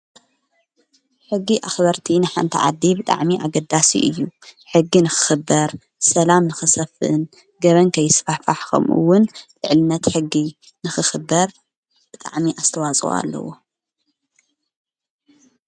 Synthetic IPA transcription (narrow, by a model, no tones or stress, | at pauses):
ħɨɡːiʔaxbɐɾt̪ʰinɨħant̪ʰḭʕa̰d̪ːibɨt̪ʼa̰ʕmiʔaɡɐd̪asḭʔɨjːuħɨɡːinɨxɨ̥xɨbːɐɾ | sɐlamnɨxɨsɐfɨʔɨn | ɡɐβɐnkʰɐjːɪsfafaħkʰo̰mʔṵwːʊnlɨʕlɨnːɐt̪ħɨɡːi | nɨxɨxɨbːɐɾ | b̥ɨt̪ʼa̰ʕmiʔast̪ʰɐwat͡sʼṵa̰lːɐ̰wo